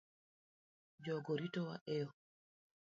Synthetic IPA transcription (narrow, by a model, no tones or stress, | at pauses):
d͡ʒɔɡoɾitɔwaʔɛjɔ